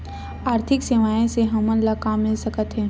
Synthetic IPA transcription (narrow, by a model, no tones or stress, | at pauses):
aːɾt̪ʰɪkseʋaːjẽseɦɐmə̃nlakaːmːɪlsɐkət̪ɦɛ̃ː